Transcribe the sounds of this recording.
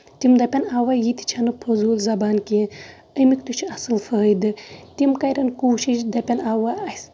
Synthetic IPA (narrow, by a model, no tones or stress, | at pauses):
t̪imd̪ɐpʲɐnaːwɐjit̪i̥t͡ʃʰɐnɨpʰozuːlzɐbaːnki | əmikt̪ut͡ʃʰiɐsɨlfɐːjd̪ɨt̪imkɐjɾɐnkuːʃiʃd̪ɐpʲenaːwaɐs